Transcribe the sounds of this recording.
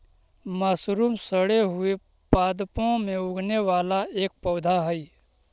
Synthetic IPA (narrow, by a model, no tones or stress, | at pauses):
maːsɾuːmsəɽeɦʊe | paːd̪põmẽʊɡʱneʋaːlaeːk̚pɐʊd̪ʱaɦəi